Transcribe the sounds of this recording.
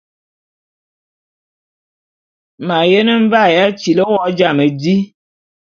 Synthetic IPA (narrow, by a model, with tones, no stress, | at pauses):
ma˨je˦nə˦ɱ̩˦va˦˨ja˦t͡ʃi˨lə˦wɔ˦d͡ʒa˦˨mə˨di˦